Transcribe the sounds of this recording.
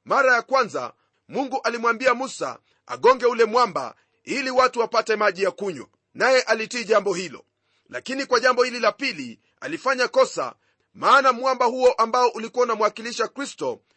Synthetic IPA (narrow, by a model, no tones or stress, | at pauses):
maɾajakwanza̰ | muŋɡuʔalimwambiamusa̰ | a̰ɠɔŋɡɛulɛmwamba̰ | iliwatuwapatɛmaʄijakuɲwa̰ | najɛʔalitiːʄambɔhilɔ̰ | lakinikwaʄambɔhililapili | a̰lifaɲakɔsa̰ | maːnamwambahuɔʔambaɔʔulikuaunamwakiliʃakɾistɔ